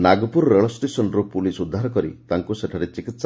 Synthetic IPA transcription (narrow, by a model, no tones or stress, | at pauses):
naɡɔpuɾɔɾeɭɔsʈesɔnɔɾupulisud̪ʱːaɾɔkɔɾḭt̪aŋkuseʈʰaɾet͡ʃikit̪s